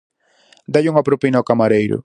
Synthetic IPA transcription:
d̪aʎuŋapɾopinawkamaɾejɾʊ̰

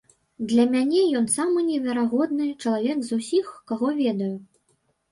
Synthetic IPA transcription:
d̪lʲɐmʲanʲɛjɔnsamɨnʲɛvʲɛɾaɣɔd̪nɨt͡ʂɐlˠavʲɛɡzusʲixkaɣɔvʲɛd̪ɐju

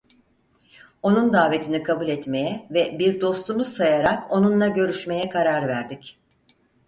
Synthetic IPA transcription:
o̞nund̪aːve̞t̪ʰinikʰabulʲɛt̪me̞jɛvɛbiɾd̪o̞st̪umusajaɾako̞nunlˠaɟø̞ɾyʃme̞jɛkʰaɾaɾvæɾd̪ic

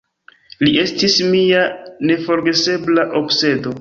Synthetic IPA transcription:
lie̞stismiane̞fo̞ɾɡe̞se̞blaʔo̞bse̞do̞

